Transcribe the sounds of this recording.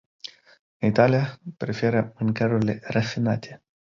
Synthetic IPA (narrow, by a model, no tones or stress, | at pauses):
ɨnit̪alijapɾefeɾəɨŋkaɾuɾile̞rafinat̪ʰe̞